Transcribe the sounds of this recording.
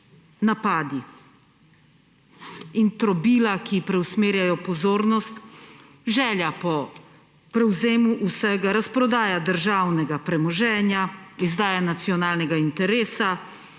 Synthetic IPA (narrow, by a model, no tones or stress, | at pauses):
napaːd̪i | int̪ɾɔbiːlakipɾɛwsmeːɾjajɔpɔzoːɾnɔst̪ | ʒɛːljapɔ | pɾɛwzeːmuʔusɛɡaɾaspɾɔd̪aːjad̪əɾʒaːwnɛɡapɾɛmɔʒɛːnjaizd̪aːjanat̪sijɔnaːlnɛɡaint̪ɛɾeːsa